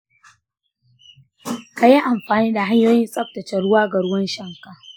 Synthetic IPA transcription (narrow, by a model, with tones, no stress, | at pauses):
ka˨ji˦ʔa˨mɸaː˨niː˦da˨ɦa˦ɲjoː˦jɪ˦nsʼɐ˦p̚tɐ˨t͡ʃɛ˨ɽʊ˦waː˦ɡa˨ɽʊ˦wɐ˦nʃɐ˦˨ŋka˨